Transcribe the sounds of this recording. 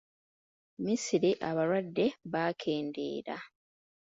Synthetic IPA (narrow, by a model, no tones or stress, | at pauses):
misiɾiʔaβaɾwadːe̞βaːkʰe̞ːnde̞̰ːɾa